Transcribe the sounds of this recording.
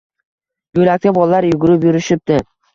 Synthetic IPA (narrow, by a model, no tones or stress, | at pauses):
jolak̚ʲt̪ʰɪbɒlˠaːaɾjʊɡʊɾɪpjʊɾɪʃɪp̚d̪̥ɪ